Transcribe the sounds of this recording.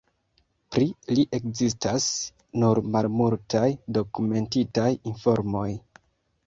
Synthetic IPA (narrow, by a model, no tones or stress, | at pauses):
pɾiliʔe̞kzis̬tas | nuɾmalmultajdo̞kume̞ntitajinfo̞ɾmo̞j